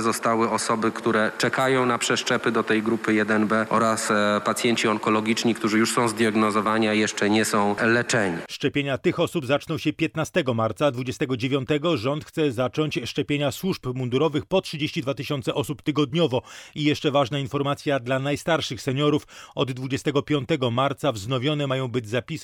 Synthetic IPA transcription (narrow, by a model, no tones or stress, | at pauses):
zɔst̪awɘɔsɔbɘkt̪uɾɛt͡ʂɛkajɔ̃w̃napʂɛʂt͡ʂɛpɘd̪ɔt̪ɛjɡɾupɘjɛd̪ɛnbɛɔɾaspat̪sʲjeɲt͡ɕiɔŋkɔlɔɡʲit͡ʂɲikt̪uʐɘjuʂsɔ̃w̃zd̪ʲjaɡnɔzɔvaɲiajɛʂt͡ʂɛɲɛsɔ̃w̃lɛt͡ʂɛɲiʂt͡ʂɛpʲjeɲat̪ɘxɔsubzat͡ʂnɔ̃wɕɛpʲjɛt̪nast̪ɛɡɔmaɾt̪sad̪vud͡ʑɛst̪ɛɡɔd͡ʑevʲjɔnt̪ɛɡɔʐɔnt̪xt̪sɛzat͡ʂɔɲt͡ɕʂt͡ʂɛpʲjeɲaswuʂpmund̪uɾɔvɘxpɔtʂɘd͡ʑeɕt͡ɕid̪vat̪ɘɕɔnt̪sɛʔɔsupt̪ɘɡɔd̪̚ɲɔvɔijɛʂt͡ʂɛvaʐnainfɔɾmat̪sʲjad̪lanajst̪aɾʂɘxsɛɲɔɾufɔd̪ːvud͡ʑɛst̪ɛɡɔpʲjɔnt̪ɛɡɔmaɾt̪savznɔvʲjɔnɛmajɔ̃w̃bɘd͡ʑzapʲis